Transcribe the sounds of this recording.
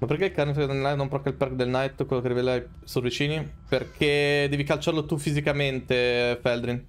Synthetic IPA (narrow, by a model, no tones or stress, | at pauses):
maperkeilkarnefid̪elnajt̪nõmpɾɔkailpɛrkd̪elnajt̪kwelokerivelaj | survit͡ʃiːniperkʰed̪ɛːvikalt͡ʃarlot̪ufizikament̪efɛld̪ɾin